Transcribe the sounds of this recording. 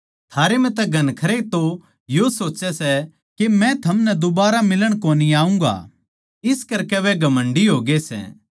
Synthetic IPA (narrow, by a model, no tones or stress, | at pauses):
t̪ʰaːɾemɛ̃t̪ɛɡʱɐnkʰɐɾet̪o | josoːt͡ʃɛsɛ | kemɛ̃t̪ʰɐmnɛd̪obaːɾamɪləɽ̃koːniaːũŋɡa̰ː | ɪskɐɾkɛʋɛɡʱɐmə̃ɳɖiɦoːɡesɛ̰ː